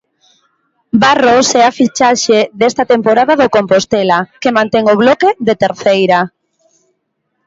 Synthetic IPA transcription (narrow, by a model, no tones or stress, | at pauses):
barosɛafit͡ʃaʃeðest̪at̪empoɾaðaðokompost̪elakemãnt̪ɛŋoβlɔkeðet̪eɾθejɾa